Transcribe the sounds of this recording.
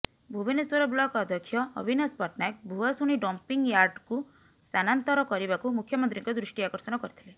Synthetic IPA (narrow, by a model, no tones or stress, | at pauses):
bʱubineswɔɾɔblɔkɔd̪ʱjɔkʰːjɔɔ̰bʱinɔspɔʈnajk̚bʱuɔsuɽ̃niɖɔmpiŋɡjaɾɖku | st̪ʰanant̪ɔɾɔkɔɾibakumukʰjɔmɔnt̪ɾiŋkɔd̪ɾuʂʈiakɔɾsɔnɔkɔɾit̪ʰile